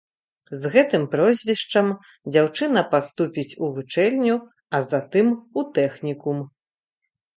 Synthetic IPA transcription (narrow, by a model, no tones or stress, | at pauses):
zɣɛt̪ɨmpɾɔzʲvʲiʂt͡ʂɐm | d͡zʲawt͡ʂɨn̪ɐpast̪upʲit͡sʲuvɨt͡ʂɛlʲnʲu | ɐzat̪ɨmut̪ɛxnʲikum